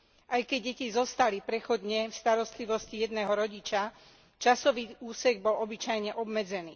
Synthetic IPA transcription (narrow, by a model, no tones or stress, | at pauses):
ʔajkɛɟ̚ːɛcizɔst̪alipɾɛxɔd̪ɲɛfst̪aɾɔst̪liʋɔscijɛd̪nɛːɦɔɾɔɟit͡ʃa | t͡ʃasɔʋiːuːsɛɡ̚bɔlɔbit͡ʃajɲɛʔɔbmɛd͡zɛnḭː